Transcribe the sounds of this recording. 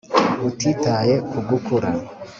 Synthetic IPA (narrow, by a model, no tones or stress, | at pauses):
utitaːje̞kuɡukʰuɾa